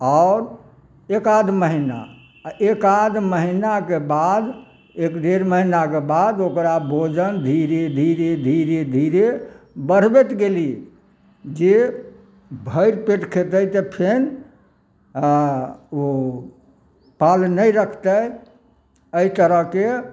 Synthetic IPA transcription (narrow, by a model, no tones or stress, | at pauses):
aʊɾ | ekad̪ʱməɦina̰ | ekad̪məɦinakebad̪ | ekd̪eɾməɦinakebad̪okɾabʱod͡ʒənd̪ʱiɾed̪ʱiɾed̪ʱiɾed̪ʱiɾe | bəɽ̤bet̪ɡeli | d͡ʒe | bʱəjɾpeʈkʰet̪əjt̪əpʰen | o | palnəjɾəkʰt̪əj | əit̪əɾəɦke